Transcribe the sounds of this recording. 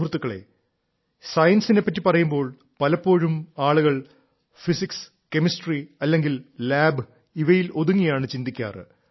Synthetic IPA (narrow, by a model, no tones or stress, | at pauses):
ɦrt̪ːukːɐɭḛ | sɐjɐnsine̞pːɐtːipɐrɐjumbo̞ːɭ | pɐlɐpːo̞ːɻumaːɭuɣɐɭ | fisiks | ke̞mistriɐlːe̞ŋɡillaːbɨ | iʋɐjilo̞ðuŋːijaːɳɨt͡ɕind̪ikʲːa̰ːrɨ